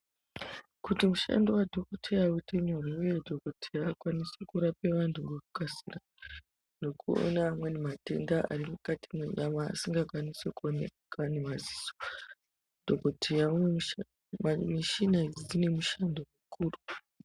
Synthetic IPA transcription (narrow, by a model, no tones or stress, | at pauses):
kutimuʃa̰ndowadʱokotʰejawuteɲoriujedʱokotʰejaːkwanisekuɾapeʋantʰuŋekukasḭra | ndo̞kuo̰namwe̞nemate̞̰ndaʔa̰rimukatimweɲama̰ːsiŋɡakwanisekuonḛ | kanemaziso̥ | d̥ʱokotʰejaume | miʃinazzine̞muʃandomukʰuːru